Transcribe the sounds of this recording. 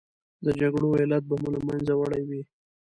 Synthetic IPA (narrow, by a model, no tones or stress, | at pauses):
d̪əd͡ʒaɡɽoelat̪̚bamulamanzawaɽajwi